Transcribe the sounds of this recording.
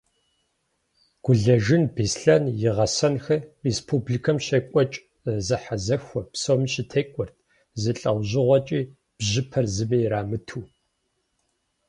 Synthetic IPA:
ɡ̥ʷʊɮɐʒɪnbeːsɬɐnjɪʁɐsɐnxɐrespʰublikʰɐmɕɐkʷʼɔt͡ʃʼ | zɨħazɐxʷɔpsowmɕɪtʰeːkʷʼʊrtʰ | zɨɬʼɐwʑɪʁʷɔt͡ʃʼiː | b̥ʑɪpʰɐrzɨmiːɾaːmɨtʰuː

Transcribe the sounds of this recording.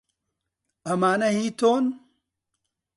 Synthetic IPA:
ɐmaːnɐhit̪on

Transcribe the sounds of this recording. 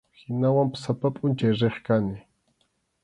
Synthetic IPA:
hɪnawampḁsapapʼʊnt͡ʃajɾeχkanɪ

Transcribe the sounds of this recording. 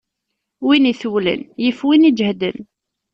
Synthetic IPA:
winiθuwlə̰njəfwinid͡ʒhd̪ə̰n

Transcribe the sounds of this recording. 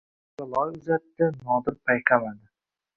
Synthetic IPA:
sʊlˠɒjʊzat̪ːɪnɒd̪ɪɾpʰajqʰamad̪ɪ

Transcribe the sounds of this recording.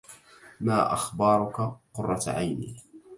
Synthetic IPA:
maːʔa̰xbɑːɾˤʊkaqʊrˤːɑʕa̰jnḭː

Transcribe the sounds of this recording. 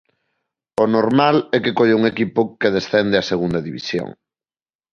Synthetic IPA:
onoɾmalɛkekoʎeuŋekipʊkeð̞esθɛnd̪eɐseɣund̪ɐðiβḭsjo̰ŋ

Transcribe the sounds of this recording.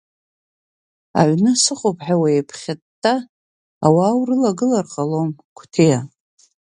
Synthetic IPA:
a̰ʕʷnɨsɨχopʰʼħawaepʰχʲatː | aː | waːwrɨlaɡɨlarqʼalomkʷʰtʰeja

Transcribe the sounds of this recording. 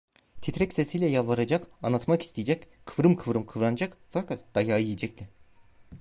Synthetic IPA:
t̪ʰit̪ɾɛcsesijlʲɛjalˠvaɾad͡ʒakanˠat̪maki̥st̪ʰijd͡ʒɛc | kʰɯvɾɯmkʰɯvɾɯmkʰɯvɾanad͡ʒakfakʰat̪̚d̪̥ajaːjijid͡ʒɛclʲɪ

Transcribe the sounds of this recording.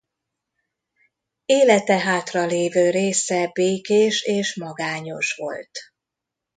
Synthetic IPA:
eːlɛt̪ɛɦaːt̪rɒleːvøːɾeːsɛbeːkeːʃeːʃmɒɡaːɲo̞ʃʋo̞̰lt̪

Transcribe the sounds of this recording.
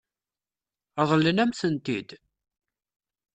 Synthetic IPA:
ðˤlənæmθənt̪id̪

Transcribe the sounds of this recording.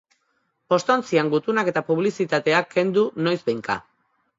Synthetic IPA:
po̞st̪ant͡siaŋɡut̪unake̞t̪apuβ̞lisit̪at̪e̞akʰːe̞nd̪uno̞jzbejŋka̰

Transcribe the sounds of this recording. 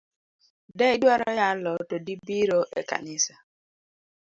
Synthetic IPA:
dɛidwaɾɔjalɔtodibiɾoʔḛka̰nɪsa

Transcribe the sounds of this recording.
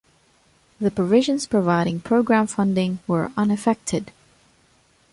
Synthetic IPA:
ðɨpʰɹ̥əvɪʒɨ̃nz̥pʰɹ̥ɨvaɪɾɪ̃ŋpʰɹ̥oʊɡɹæ̃ɱfʌ̃ndɪ̃ŋwə˞ʌ̃nɨfɛk̚tʰɪd̥

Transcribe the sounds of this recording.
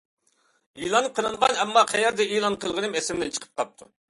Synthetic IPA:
ilˠɑnɨp̚qʰəlˠɨɴʁɑnɛmːɑqʰæjɛɾd̪ɛilˠɑnqʰəlˠʁənɨmɛsɪmlɛnt͡ʃʰə̥qʰə̥p̚qʰɑp̚t̪ʰu

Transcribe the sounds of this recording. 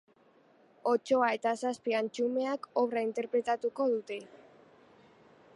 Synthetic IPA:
o̞t͡ʃo̞ae̞t̪asaspiant͡ʃume̞ako̞βraint̪e̞ɾpɾe̞t̪at̪uko̞ðut̪e̞

